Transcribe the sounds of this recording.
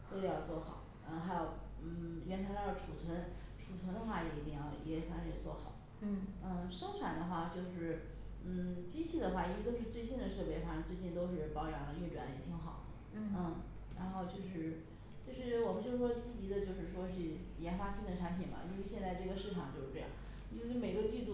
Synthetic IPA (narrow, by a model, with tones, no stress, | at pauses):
t̪ə˧˩jɑ˥˧ʊt͡swɔ˥˩xɑ̰˨˩˦ʊ˥˧xa˧˥ɪjo˨˧˩ʊn̩˥˩ɥɛ˧˥nt̪ʰːʈ͡ʂʰu˨˩t͡sʰwə˧˥n | ʈ͡ʂʰu˨˩t͡sʰwə˧˥nd̪ə˧xwa˥˩jɛ˨˧˩i˧˥t̪i˥˧˩jɑ˥˩ʊi˧˥we˥˩fʰa˥˩˧jɛ̰˨˩t͡swɔ̰˥˩xɑ˨˩˦ʊ˥ | n̩˥˩ʂɤ˥ŋʈ͡ʂʰa˨˩nd̪ə˦xwa˥˩t͡ɕjo˥˧ʊʂɻ̩˥˩ | n̩˥˩t͡ɕi˥t͡ɕʰi˥˩d̪ə˩xwa˥˩˧ə˥˧˥y˥˧t͡swe˥˧ɪɕi˥˩nd̪ə˩ʂɤ˥˧pe˧˥xwa˥˩˧t͡swe˥˧ɪt͡ɕi˥˩nt̪o˥ʊʂ̬ɻ̩˥˩pɑ˥ʊjɑ˧˥ŋlə˧˥˧ʈ͡ʂwɛ˧˥n˧jɛ̰˧˥˩t̪ʰi˧˥ŋxɑ˨˩˦ | n̩˥˩ | ɻa̰˧˥nxo˥˧ʊt͡ɕjo˥˧ʊʂɻ̩˥˩ | t͡ɕjo˥˧ʊʂɻ̩˥˩wɔ˨˩mə˦nt͡ɕjo˥˧ʊʂɻ̩˥ʂwɔ˥t͡ɕi˥˩t͡ɕi˧˥d̪ə˧t͡ɕjo˥˧ʊʂɻ̩˥˩ʂwɔ˥ʂɻ̩˥˩ | jɛ˧˥nxwa˥ɕi˥˩ŋd̪ə˩ʈ͡ʂʰa˧˥npʰi˨˩nbɐ̰˦ʔi˥nwe˥˧ɕjɛ˥˧nt͡sa˥˧ɪʈ͡ʂɤ˥˩ɡə˩ʂɻ̩˥˩ʈ͡ʂʰɑ˨˩ŋt͡ɕo˥˧ʊʂɻ̩˥˧ʈ͡ʂɤ˥˧jɑ̰˥˩ŋ˥˧˩ | me˨˩˥ɡə˧t̪i˥˧t̪u˥˩